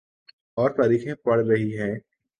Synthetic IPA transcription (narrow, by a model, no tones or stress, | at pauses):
ɔːɾt̪aːɾiːxẽpɐɽɾɐɦiɦɛ̃ː